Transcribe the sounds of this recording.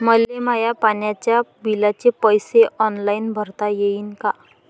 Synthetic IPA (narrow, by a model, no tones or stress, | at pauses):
məlemajapanjat͡ɕjabilat͡ɕepəjseʔɔnlainbʱəɾt̪ajeiːnka